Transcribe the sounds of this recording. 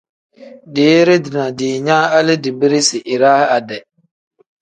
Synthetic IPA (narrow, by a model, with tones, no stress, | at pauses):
deː˨˦ɾɪ˦dɪ˨na˨dɪ˨ɲaː˦a˦lɪ˦dɪ˨bɪ˦ɾɪ˦sɪ˨ʔɪ˨ɾa˦ha˨dɛ˨